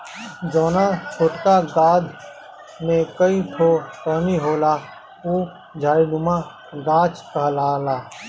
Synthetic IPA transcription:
d͡ʒoːnat͡ʃʰoːʈkaɡaːd̪ʱ | mẽkəipʰoːt̪əniɦoːla | uː | d͡ʒʱaːiɖʊma | ɡaːt͡ʃʰkəɦlaːlaː

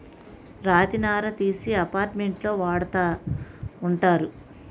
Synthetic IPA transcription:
ɾaːt̪inaːɾɐt̪iːsiɐpaːɾʈmeɳʈlo̞ːʋaːɽɐt̪aː | uɳʈaːɾu

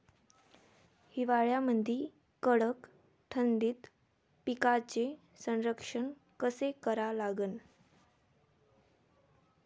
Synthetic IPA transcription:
hiʋaɭjaməd̪ʱi | kəɽək | ʈʰənd̪iːt̪ | pikat͡ɕe | sə̃nɾəkʂəɳ | kəsekəɾalaɡən

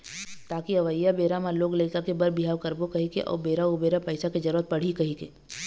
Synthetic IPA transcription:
t̪aːkiɐʋəjabeːɾamaloːɡleːkəkebɐɾbiɦaːʋkɐɾbokɐɦikḛʔɔ̰ːɾbeːɾaobeːɾapəɪsaked͡ʒɐɾuɾət̪̚pɐɽ̤ikɐɦikḛː

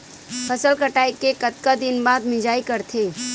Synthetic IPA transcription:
fʰɐsəlkəʈaːikːekət̪kad̪ɪnbaːd̪mɪd͡ʒaːikɐɾt̪ʰeː

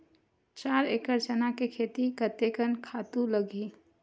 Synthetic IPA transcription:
t͡ʃaːɾekəɾt͡ʃənakekʰeːt̪ikət̪ekənkʰaːt̪ũləɡi

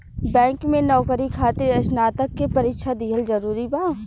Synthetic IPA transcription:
bɛ̃ːŋkmẽnɔːkəɾikʰaːt̪eɾəʃnaːt̪əkːepɐɾɪkʃʰad̪iːɦəlzɐɾuːɾibaː

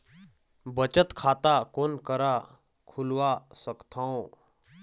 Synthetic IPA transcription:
bət͡ʃət̪kʰaːt̪akonkəɾa | kʰulʋasəkt̪ʰãõ

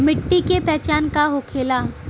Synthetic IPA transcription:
mɪʈːikepɛːt͡ʃaːnkaɦokʰeːlaː

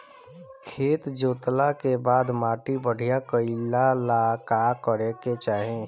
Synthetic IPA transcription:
kʰeːt̪d͡ʒoːt̪lakebaːd̪maːʈibəɽ̤ʱijakəɪlalakakəɾeket͡ʃaːɦẽ

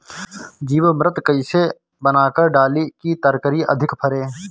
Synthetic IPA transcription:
d͡ʒiːʋmɾət̪kəɪse | bənaːkəɾɖaːlikit̪əɾkəɾiʔə̰d̪ʱɪkpʰəɾeː

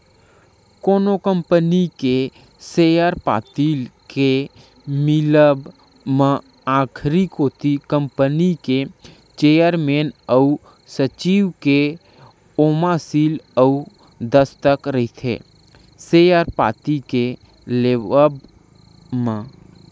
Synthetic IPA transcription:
koːnokə̃mpənike | seːjəɾpa̰ːt̪iːlke | mɪləb | mə̃ | aːkʰɾikɦoːt̪ikə̃mpənike | t͡ʃeːjəɾmeːnəu | sət͡ʃiːʋke | oːmasiːləu | d̪əst̪əkɾɐit̪ʰḛː | seːjaɾpa̰ːt̪ike | leːʋəb | mã

